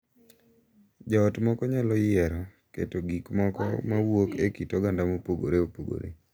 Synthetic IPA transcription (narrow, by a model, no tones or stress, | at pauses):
d͡ʒɔːtmɔkɔɲalɔjɪɛɾɔ | kḛtoɡikmɔkɔ̰mawokekitɔɡandamopoɡo̰ɾeopoɡo̰ɾḛ